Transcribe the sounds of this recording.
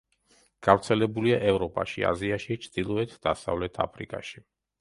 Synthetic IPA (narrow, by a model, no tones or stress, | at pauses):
ɡ̥avɾt̪sʰɛlɛbuliaʔɛvɾɔpʼa̰ʃia̰ziaʃit͡ʃʰd̪̥ilˠɔɛt̪ʰd̪asa̰vlɛt̪ʰa̰pʰɾikʼaʃi